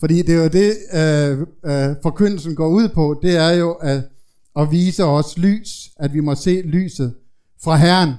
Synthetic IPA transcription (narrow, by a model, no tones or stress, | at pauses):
fɒ̽d̥ḭːd̥e̝jod̥e̝ | fɒ̽kʰøn̰l̩sn̩ɡ̥ɒ̰ːuð̰ˠpʰɒ̽d̥e̝æɐjo̝ʔæ | ɒ̽ʋiːsəɒ̽sly̰ːsæd̥ʋimɒ̽se̝̰ːly̰ːsð̞̩ˠ | fʁɑ̈ɦæɐɐn